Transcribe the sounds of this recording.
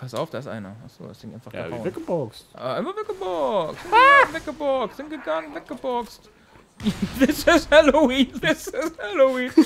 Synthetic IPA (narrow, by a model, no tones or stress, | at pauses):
pʰasaʊfd̥aːɪsʔa̰ɪnɐʔa̰χz̥o̰ːda̰sd̥ɪŋʔaɪnfaχa̰vɪkəbɔkstʔa̰ːa̰ɪmɐvɪkəbɔksvɪkəbɔksz̥ɪnɡ̥əɡaŋəvɪt̚ɡ̥əbɔkst | ðɪsɪshɛloiːnðɪsɪshɛloiːn